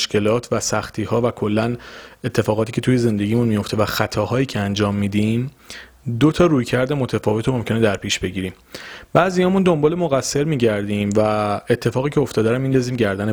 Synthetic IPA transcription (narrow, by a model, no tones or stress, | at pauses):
ʃke̞lɒːt̪ʰvæsæxt̪ʰiːhɒːvækʰo̞lːæne̞t̪ʰːe̞fɒːɣɒːt̪ʰiːcʰe̞t̪ʰuje̞ze̞nd̪e̞ɟʲiːmunmijo̞ft̪evæxæt̪ʰɒːhɒːjiːcʰeænd͡ʒɒːmːid̪im | d̪ot̪ʰɒːɾuːjcʰæɾd̪e̞mo̞t̪ʰæfɒːvet̪omo̞mcʰe̞ned̪æɾpʰiːʃb̥e̞ɟiːɾiːm | b̥æːzihɒːmund̪o̞mbɒːle̞moɣæsːe̞ɾmiːɟæɾd̪iːmvæe̞t̪ʰːe̞fɒːɣiːcʰeoft̪ɒːd̪æɾæmːind̪ɒːziːmɟæɾd̪æne